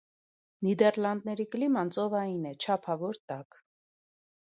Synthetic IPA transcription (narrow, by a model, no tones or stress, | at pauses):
nid̪ɛɾlɑnd̪̚nɛɾiklimɑnt͡sɔvɑjinɛt͡ʃʰɑpʰɑvɔɾt̪ɑk